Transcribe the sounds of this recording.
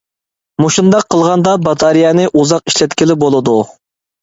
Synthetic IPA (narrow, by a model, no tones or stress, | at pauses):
muʃund̪ɑqʰːəlˠʁɑnd̪ɑbɑt̪ʰɑɾijɑnɨʔuzɑq̚i̥ʃlɛt̪kʲilɪbolˠɨd̪u